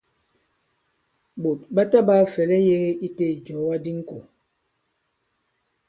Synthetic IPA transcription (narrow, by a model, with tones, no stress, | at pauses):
bo˨t̚ba˦ta˦ba˦fɛ˨lɛ˦je˦ɣe˦ʔi˦te˦˨d͡ʒɔ˨˦wa˦di˦ŋ̩˦ko˨